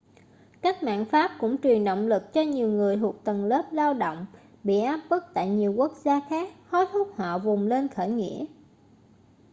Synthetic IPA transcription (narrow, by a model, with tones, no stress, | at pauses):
kaː˦˥k̚ma̰ː˧˨nfaː˦˥p̚kʊ̰˧˥ŋ͡mt͡ɕwi˨˩ənɗo̰˧˨wŋ͡mlɨ˨˩k̚t͡ɕɔ˧ɲi˨˩əwŋɨ˨˩əjt̪ʰu˨˩ək̚t̪ə˨˩nləː˦˥p̚laː˧wɗo̰˧˨wŋ͡m | ɓḭ˧˨ʔaː˦˥p̚ɓɨ˦˥k̚t̪a̰ː˧˨jɲi˨˩əwku˦˥ək̚zaː˧xaː˦˥k̚hɔ˨˦˥jt̪ʰʊ˦˥k͡p̚hɔ̰˧˨vʊ˨˩ŋ͡mle˧nxəː˧˩jŋḭ˧˥ə